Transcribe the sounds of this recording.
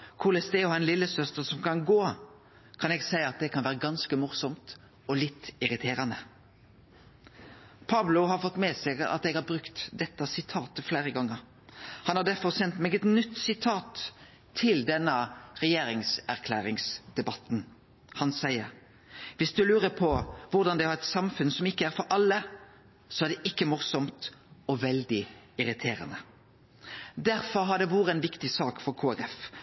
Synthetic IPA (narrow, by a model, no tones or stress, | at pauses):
kʰuːlɛst̪eːɔɛnlɪlːəsœst̪əsɔmkɑnɡoː | kʰɑnɛɡsæɪəɑt̪̚d̪ɛkʰɑnʋæːʁəɡɑnskəmʊʁsɔmt̪ | ɔlɪt̪ːɪɾɪt̪ʰeːɾənə | pʰɑblʊɦɑɾfɔt̪ːmeːsɛɡəɑ̰t̪ɛːɡhɑɾbɾʉkt̪d̪ɛt̪ːəsɪt̪ʰɑːt̪əfleːʁəɡɑŋːəɾ | hɑnhɑd̪æɾfɔʁsɛnt̪meːɡɛt̪nʏt̪ːsɪt̪ʰɑːt̪ʰː | ɪld̪ɛnːəɾɛjeːɾɪŋsæʁkʰlæːɾɪŋsd̪̥ɛbɑt̪n̩ | hɑnsæɪəɾ | ʋɪsd̪ʉlʉːɾəpʰɔʋʊɾd̪ɑnd̪ɛhɑɾɛt̪sɑmfʉnsɔmɪkːəæɾfɔɾʔɑlːə | sɔæʁd̪ɛʔɪkːəmʊɾsɔmt̪ɔʋɛld̪ɪɪɾɪt̪ʰeːɾə̰nə | d̪æɾfɔɾɦɑd̪ɛʋuːʁəɛnʋɪkt̪ɪsɑːkfɔɾkʰoːæɾɛf